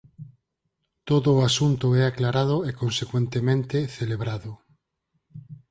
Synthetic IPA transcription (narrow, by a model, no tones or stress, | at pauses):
t̪oðoːasunt̪oɛaklaɾað̞oekonsekwẽnt̪emẽnt̪eθeleβɾaðʊ